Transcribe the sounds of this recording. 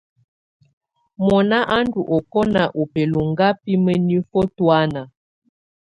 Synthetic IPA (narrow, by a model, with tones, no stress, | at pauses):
mɔ˨na˦ʔa˦ndu˨ʔɔ˨kɔ˦na˨ʔo˨pe˨lo˨ŋɡa˦pi˦mə˦ni˦fɔ˦twa˦na˨